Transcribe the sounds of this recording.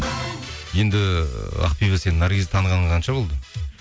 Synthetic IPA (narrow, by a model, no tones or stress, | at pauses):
je̞nd̪ɪɑ̰qpijvɑse̞nɪnːɑɾɡʲezt̪ʰɑɴəʁɑnəɴqʰɑnʃɑbo̞lˠd̪ə